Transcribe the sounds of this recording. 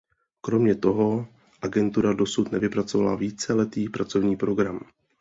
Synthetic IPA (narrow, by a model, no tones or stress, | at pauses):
kɾo̞mɲɛt̪o̞ɦo̞ | ʔaɡɛnt̪uɾado̞sut̪nɛvɪpɾat͡so̞valaviːt͡sɛlɛt̪iːpɾat͡so̞vɲiːpɾo̞ɡɾam